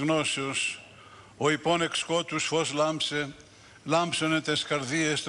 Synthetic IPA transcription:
ɣnoseos | oipone̞kskot̪usfoslɐmpse | lɐmbsonet̪eskɐɾðiest̪

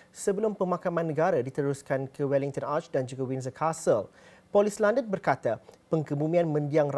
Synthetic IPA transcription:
səbəlʊmpəmãkamãnːəɡaɾadit̪əɾuskankəwɛliŋt̪ɔnat͡ʃdand͡ʒuɡawinzəkʰasəl | pɔlislandənbərkat̪apəŋkəbumĩanmə̃ndiaŋr

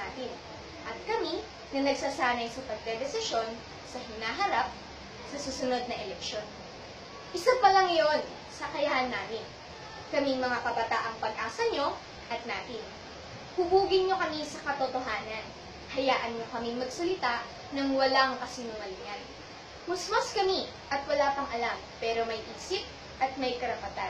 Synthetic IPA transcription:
aːt̪ɪn | ʔɐt̪̚kɐmi | nɐnɐɡ̚saːsaːnɐjsɐpɐɡ̚d̪ɛd̪ɛsɪʃo̞n | sɐɦɪnaːɦɐɾap̚ | sɐsuːsʊno̞d̪̚nɐʔɛlɛkʃo̞n | ʔɪsapɐlɐŋːɐjon | sɐkɐjɐhɐnːaːmɪn | kɐmiŋmɐŋakɐbɐt̪aʔɐŋpɐɡ̚ʔaːsɐɲo̞ | ʔɐt̪̚naːt̪ɪn | hʊbuːɡɪnɲo̞kɐmisɐkɐt̪ot̪o̞ɦaːnɐn | hɐjaːʔɐnɲo̞kɐmɪŋmɐɡsɐlɪt̪aʔ | nɐŋwɐlaŋkɐsinʊŋɐlɪjan | mʊsmaskɐmi | ʔɐt̪wɐlaːpɐŋʔɐlampɛːɾo̞mɐjʔiːsɪp̚ | ʔɐt̪̚mɐjkɐɾɐpɐt̪a

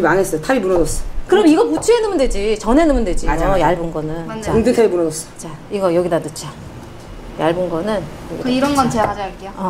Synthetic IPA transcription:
imaŋes͈ʌjotʰabimunʌdʌs͈ʌ̥kɯɾʌmiɡʌput͡ɕʰuɦe̞nɯmɯndwe̞d͡ʑit͡ɕʌnɦenɯmɯndwe̞d͡ʑiaojaɭbunɡʌnɯnt͡ɕaundɯtʰaimunʌdʌs͈ʌ̥t͡ɕaiɡʌjʌɡidanut͡ɕʰa | ja̰ɭbunɡʌnɯnjʌɡiiɾʌnɡʌnt͡ɕeɦad͡ʑajaɭk͈ejoʌ

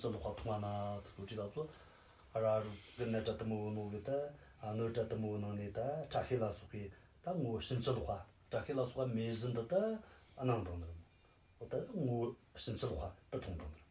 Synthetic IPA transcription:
t͡ɕəloχat̪ʰoŋwanat̪ə̥t͡soʈ͡ʂilat͡sʰo | raroɡənaʈ͡ʂat̪əməwənoɡət̪əɦnoʈ͡ʂat̪əməwənaŋnit̪aʈ͡ʂʰaɕʰelasʰoχki | t̪aŋowɕənt͡ɕʰəloχa | ʈ͡ʂʰaɕʰelasʰoχameʑənd̪ət̪ə | ɦnaŋd̪aŋd̪ər | wot̪aəŋow | ɕənt͡ɕəloχwat̪ət̪ʰoŋd̪aŋd̪ər

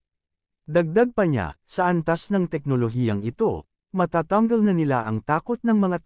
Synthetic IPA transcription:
d̪ɐɡ̚d̪aɡ̚pɐɲa̰sɐʔɐnt̪asnɐŋt̪ɛk̚noloɦiːjɐŋɪt̪o̞̰ | mɐt̪aːt̪aŋɡɐlnɐnɪla̰ʔɐŋt̪aːko̞t̪̚nɐŋmɐŋa

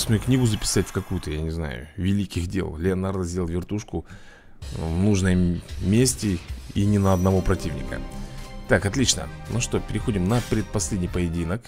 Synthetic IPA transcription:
sʲmʲəjknʲiɡʊzəpʲɪ̥satʲfkɐkujʊt̪əjanʲɪzna̰jʊ̰vʲɪlʲikʲɪxdʲḛlˠlʲɪɐnard̪zʲdʲelˠvʲɪrt̪uʂkʊ | vnuʐnəjmʲesʲtʲɪinʲɪnəɐd̪nɐvo̞pɾɐtʲivnʲɪ̰kə̰t̪akɐt̪lʲit͡ɕnə̰noʂt̪opʲɪɾʲɪxo̞dʲɪmnəpɾʲɪt̪̚pɐsʲlʲedʲnʲɪjpəjɪdʲinək

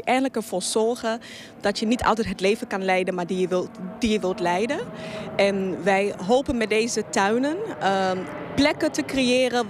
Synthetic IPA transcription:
ʔɛjnləkəɹv̥ʊːɹz̥ɔɹχə | d̥ɑtjənitɑ̰lˠtɛt̚ɦətleːvəkɑnlɛjdənmaːɹdijəʋɪldijəʋɪlˠtlɛjdəʔɛnʋɛjɦowpənmɛt̚dejzətœɥnən | plɛkətəkrejɪːrə

